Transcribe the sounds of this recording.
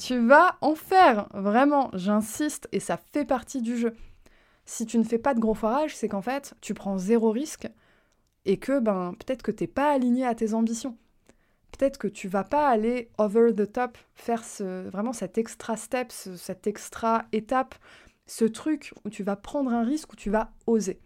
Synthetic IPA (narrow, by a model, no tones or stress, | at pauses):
t̪yvaɑ̃fɛʁvʁɛmɑ̃ʒɛ̃sist̪esafɛpaʁt̪id̪yʒø | sit̪̬ynəfɛpad̪əɡʁofɔʁaʒsɛkɑ̃fɛt̪ːypχɑ̃zeʁoʁisk | ekʰəbɛ̃pø̥t̪ɛt̪χkət̪yɛpaːliɲeat̪ezɑ̃bisjɔ̃ | pø̥t̪ɛt̪χəkət̪ʰyvapaːleovəʁðət̪ɔp | fɛʁsəvʁɛmɑ̃sɛt̪ɛkst̪χast̪ɛpsəsɛt̪ɛkst̪χaet̪ap | sət̪χykut̪yvapχɑ̃d̪ʁɛ̃ʁiskut̪yvaoze